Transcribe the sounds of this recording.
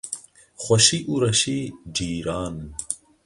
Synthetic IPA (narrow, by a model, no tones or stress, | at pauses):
xɐɕiʔuɾɐɕid͡ʑiːɾaːn